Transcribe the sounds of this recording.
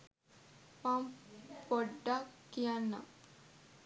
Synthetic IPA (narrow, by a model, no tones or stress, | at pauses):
mampoɖːakːijanːa̰